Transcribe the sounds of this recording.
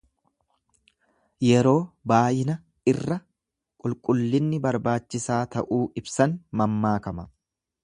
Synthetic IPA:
jɛɾo̞ːbaːjɪnɐ | ɪrːɐ | kʼʊlkʼʊlːɪnːɪbɐɾbaːt͡ʃːɪsaːt̪ɐ̰ʔuːɪbsɐnmɐmːaːkɐmɐ

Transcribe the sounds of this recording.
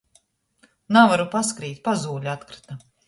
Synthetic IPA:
navaɾupaskɾiːt̪̚ʲpazuːʎʲat̪kɾi̥t̪a

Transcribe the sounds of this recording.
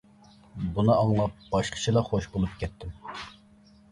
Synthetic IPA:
bunɨɑŋlˠɑp̚b̥ɑʃqʰə̥t͡ʃʰilˠɑχoʃbolˠup̚kʲʰɛt̪ʰːɪm

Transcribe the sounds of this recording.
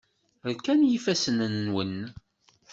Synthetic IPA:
ɾkænjifæsənənnwən

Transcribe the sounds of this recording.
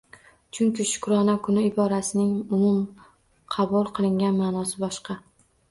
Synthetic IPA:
t͡ʃʰʊŋkʲɪʃʊ̥kɾɒnakʰʊnɪɪbɒɾasɪnɪŋʊmʊm | qʰɑbʊlˠqʰɨlˠɪŋʲanmaːnɒsɪbɒʃqɑ

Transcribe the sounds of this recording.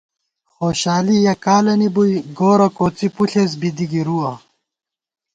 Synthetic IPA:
xoːɕaːlijɐkaːlɐnibujɡoːɾɐkoːt͡sipuɬes̬bid̪iɡiɾuːɐ

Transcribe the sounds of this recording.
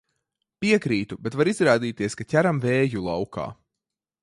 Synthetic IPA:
pʲiɛkɾiːt̪ubɛt̪vaɾizɾaːd̪iːt̪iɛskatʲæɾamvɛːjulˠawka̰ː

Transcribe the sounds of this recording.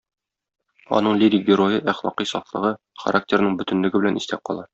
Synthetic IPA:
ɒ̰nɤɴlʲiɾʲiɡʲɪɾo̞jɤʔæχlˠɒ̰qisɒθlˠɤ̆ʁɤ | χɐ̰ɾʔak̚tʲeɾnɤɴbɵ̆t̪ɘ̆nlɘ̆ɡɘ̆bɘ̆lænist̪æp̚qɒ̰lˠɑ

